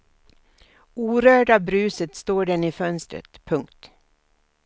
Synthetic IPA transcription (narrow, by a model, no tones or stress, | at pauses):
uːɾøːɖabɾʉ̟ːsət̪st̪oːɖɛnɪfœnst̪ɾə̰t̪pʰɵŋkt̪